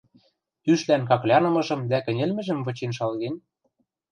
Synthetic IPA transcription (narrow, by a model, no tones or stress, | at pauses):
yʃlænkɑklʲɑnɤ̆mɤ̆ʒɤ̆md̪ækɘ̆nʲĕlmɘ̆ʒɘ̆mvɤ̆t͡ɕenʃɑlɣen